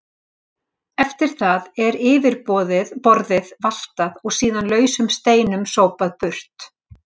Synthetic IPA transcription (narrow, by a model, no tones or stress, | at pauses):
ɛft̪ɪɾ̥θaðɛɾɪːvɪɾpɔːðɪðpɔɾðɪðval̥t̪aðɔɣsiːðanlœːɥsʏmst̪eːjnʏmsoːwpaðpʏr̥t̪